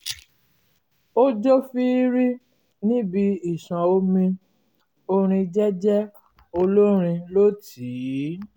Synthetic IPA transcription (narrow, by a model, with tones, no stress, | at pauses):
o˦d͡ʒo˦fi˦ɾi˦ | nĩ˦bi˧i˦˨sã˨o˧mĩ˧ | o˧ɾ̃ĩ˧d͡ʒɛ˦d͡ʒɛ˦ | o˧lo˦ɾ̃ĩ˧lo˦ti˨˦